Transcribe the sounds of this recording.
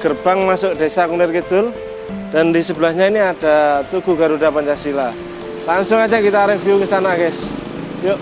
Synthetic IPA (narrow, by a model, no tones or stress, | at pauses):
ɡ̥ərb̥aŋmasʊk̚d̥esakunɪrkəd̪̥ʊl | d̥andisəbəlahɲainiad̥at̪uɡ̥uɡaɾudapaɲt͡ʃasila | laŋsʊŋad͡ʒakit̪aɾɪfiukəsanakɛs | joʔ